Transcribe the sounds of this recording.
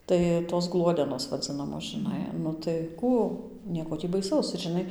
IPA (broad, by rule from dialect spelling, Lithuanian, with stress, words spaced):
ˈtɐɪ toːs ˈɡlˠuɔdʲɛnoːs ʋɐˈd͡zʲɪnɐmoːs ʒɨˈnɐɪ nʊ tɐɪ ˈkuː ˈnʲiɛkoː ˈtʲiː bɐɪˈsɐʊs ɪr ʒʲɪˈnɐɪ